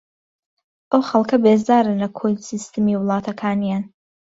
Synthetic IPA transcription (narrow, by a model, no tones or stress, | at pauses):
ʔɐwxɐlˠkɐbeːzaːɾɐnɐkʰolsist̪ɨmiːwɨlˠɑːt̪ʰɐkʰaːnijaːn